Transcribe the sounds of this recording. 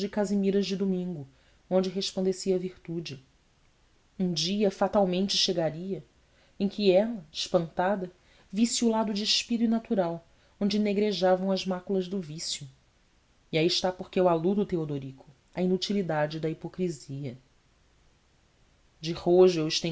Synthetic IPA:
d͡ʒɪkazimiɾɐzd͡ʒɪd̪umĩŋɡʊ | õnd͡ʒɪɦeʃpɐ̃nd̪esiɐviht̪ud͡ʒɪ | ũd͡ʒiɐfat̪awmẽnt͡ʃɪʃeɡaɾiɐ | ẽkʲɪɛlɐɪʃpɐ̃nt̪ad̪ɐ | visiulad̪ʊd͡ʒɪʃpid̪ʊinat̪uɾaw | õnd͡ʒɪneɡɾeʒavɐ̃w̃ɐzmakulɐzd̪ʊvisjʊ | iaiɪʃt̪apoχkʲɪewalud̪ʊːt̪eod̪oɾikʰʊ | ɐinut͡ʃilid̪ad͡ʒɪd̪ɐipokɾiziɐ | d͡ʒɪhoʒʊewɪʃt̪ẽ

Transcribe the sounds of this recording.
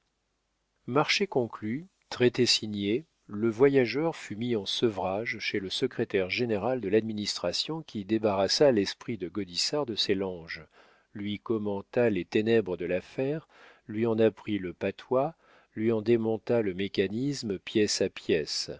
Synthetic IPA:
maʁʃekɔ̃kly | t̪χet̪esiɲje | ləvwajaʒœʁfymiɑ̃səvʁaʒʃeləsəkχet̪ɛʁʒeneʁald̪əlad̪minist̪χasjɔ̃kʲid̪ebaʁasalɛspχid̪əɡɔd̪isaʁd̪əsɛlɑ̃ʒ | lɥikɔmɑ̃t̪alet̪enɛbʁəd̪əlafɛʁ | lɥiɑ̃napχiləpat̪wa | lɥiɑ̃d̪emɔ̃t̪aləmekanismpjɛsapjɛs

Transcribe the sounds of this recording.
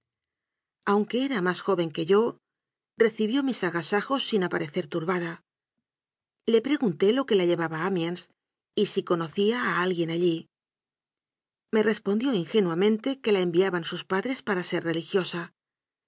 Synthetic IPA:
awŋke̞eɾamasxo̞βe̞ŋke̞ʝo̞ | re̞θiβjo̞misaɣasaxo̞sːinapaɾe̞θe̞ɾt̪uɾβaða | le̞pɾe̞ɣunt̪e̞lo̞ke̞laʎe̞βaβaamjans | isiko̞no̞θiaːalɣje̞naʎi | me̞re̞spo̞nd̪jo̞iŋxe̞nwamẽ̞nt̪e̞ke̞lae̞mbiaβansuspaðɾe̞spaɾase̞rre̞lixjo̞sa

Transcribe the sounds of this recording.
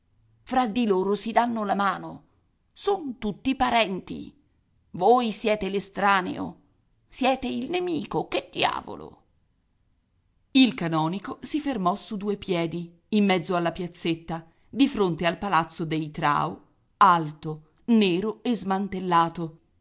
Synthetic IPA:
fɾad̪iloːɾosid̪anːolamaːno | sont̪ut̪ːipaɾɛnt̪ḭ | voːjsjɛːt̪elest̪ɾaːnḛo̰ | sjɛːt̪eilnemiːkoked̪ːja̰ːvo̰lo̰ | ilkanɔːnikosifermɔsud̪uːepjɛːd̪iː | mːɛd̪zːoalːapjat̪sːet̪ːa | d̪ifɾont̪ealpalat̪sːod̪ejt̪ɾa̰ːo | alt̪o | neːɾoezmant̪elːaːt̪o

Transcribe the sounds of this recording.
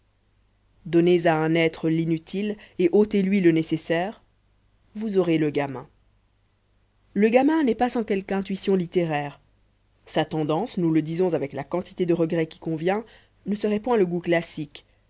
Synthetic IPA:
d̪ɔnezaɛ̃nɛt̪χəlinyt̪ʰileʔot̪elɥilənesesɛːʁ | vuzɔʁeləɡamɛ̰̃ | ləɡamɛ̃nɛpasɑ̃kɛlkɛ̃t̪ɥisjɔ̃lit̪eʁɛːʁ | sat̪ɑ̃d̪ɑ̃snuləd̪izɔ̃zavɛklakɑ̃t̪i̥t̪ed̪əʁəɡʁɛkʲi̥kɔ̃vjɛ̃ | nəsəʁɛpwɛ̃ləɡuklasik

